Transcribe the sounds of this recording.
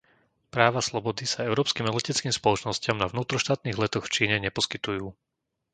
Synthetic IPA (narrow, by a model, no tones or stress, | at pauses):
pɾaːʋaslɔbɔd̪isaɛʊɾɔːpskiːmɛlɛcɛt͡skiːmspɔlɔt͡ʃnɔscɪamnaʋnuːt̪ɾɔʃt̪aːt̪niːɣlɛt̪ɔxft͡ʃiːɲɛɲɛpɔskit̪ujuː